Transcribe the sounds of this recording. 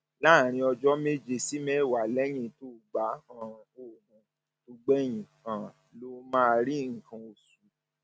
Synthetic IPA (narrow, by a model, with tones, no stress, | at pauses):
la˦˨ɾ̃ĩ˧ɔ˧d͡ʒɔ˦me˦d͡ʒe˧˨si˦mɛ˦˨wa˨lɛ˦j̃ĩ˦to˦˨ɡ͡ba˨˦hã˦˧o˦˨nũ˨˧ | to˧ɡ͡bɛ˦j̃ĩ˨ã˨ | lo˧mã˦˧ɾi˦ŋ̩˨kã˧o˨su˨˦